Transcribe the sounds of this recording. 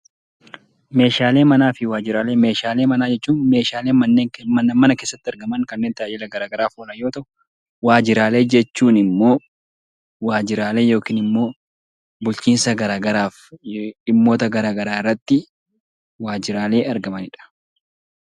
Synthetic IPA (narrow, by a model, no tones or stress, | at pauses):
me̞ːʃaːleːmɐnaːfɪwaːd͡ʒɪɾaːleːmeːʃaːleːmɐnaːd͡ʒɛt͡ʃːuːneːʃaːleːmɐnːe̞ːŋmɐnɐmɐnɐke̞ːsːɐt̪ːɪɐɾɡɐmɐŋkɐnːeːnt̪ɐʔd͡ʒɛlɐɡɐɾaːɡɐɾaːfoːnɐjo̞ːt̪ɐʔʊ̥ | waːd͡ʒɪɾaːle̞ːd͡ʒɛt͡ʃːuːnɪmːo̞ː | waːd͡ʒɪɾaːle̞ːjo̞ːkiːnɪmːo̞ː | bʊlt͡ʃiːnsɐɡɐɾaːɡɐɾaːf | ɪmːo̞ːt̪ɐɡɐɾaːɡɐɾaːɪrːɐt̪ːɪ | waːd͡ʒɪɾaːle̞ːɐɾɡɐmɐnɪᶑɐ̥